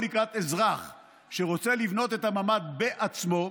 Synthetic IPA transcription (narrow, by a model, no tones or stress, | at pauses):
likʁat̪e̞zʁaχ | ʃe̞ʁot͡se̞livno̞t̪e̞t̪amamad̪be̞ʔat͡smo̞